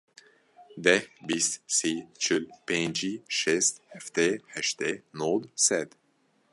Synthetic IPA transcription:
d̪ɛhbist̪sit͡ʃʏlpend͡ʒiʃɛst̪hɛft̪ehɛʃt̪enod̪sɛd̪

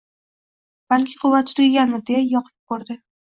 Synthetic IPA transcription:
b̥alkʲʰɪ̥qʰʊwːat̪ːʊɾʲɪɡʲanɪd̪eajɒqʰɨ̥p̚kʰoɾd̪ɪ

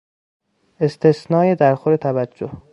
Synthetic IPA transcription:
e̞st̪ʰe̞snɒːje̞d̪æɾxoɾet̪ʰævæd͡ʒːoh

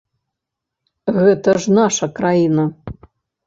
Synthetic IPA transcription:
ɣɛt̪ɐʐnaʂɐkɾajinɐ

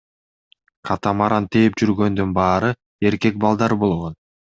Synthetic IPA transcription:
qʰɑt̪ɑmɑɾɑnt̪ʰeːpd͡ʒyɾɡø̞nd̪ynbɑːɾɯ | e̞ɾke̞k̚bɑlˠd̪ɑɾbo̞lˠʁo̞n

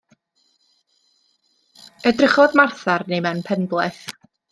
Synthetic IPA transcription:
ədrəχɔdmarθarnejmanpʰɛnblˠɛθ

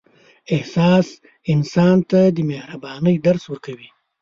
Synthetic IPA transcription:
ɪhsɑs | ɪnsɑnt̪ad̪əmehɾabɑnəjd̪aɾswəɾkawi

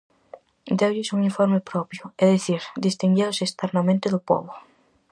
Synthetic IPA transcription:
d̪ewʎɪsuŋiɱfɔɾmepɾɔpjʊɛðiθiɾd̪ist̪iŋɡewsest̪ɛɾnɐmẽnt̪ɪðʊpɔ̰βʊ

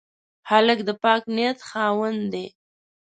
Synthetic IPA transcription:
haləkd̪əpɑkniat̪xɑwənd̪e

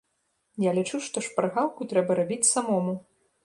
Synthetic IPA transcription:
jalʲit͡ʂuʂt̪ɔʂpaɾɣawkut̪ɾɛbɐɾabʲit͡sʲsamɔmu

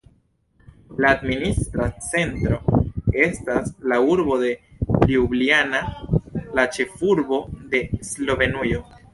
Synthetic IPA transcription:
laːdministɾat͡se̞ntɾo̞e̞staslauɾbo̞de̞liublianalat͡ʃe̞fuɾbo̞de̞slo̞ve̞nujo

